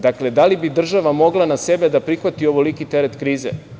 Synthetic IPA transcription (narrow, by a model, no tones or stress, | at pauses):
d̪akle̞d̪alibid̪r̩ʒaʋamo̞ɡlˠanasebed̪apɾixʋat̪io̞ʋolikit̪eɾet̪kɾiːzḛ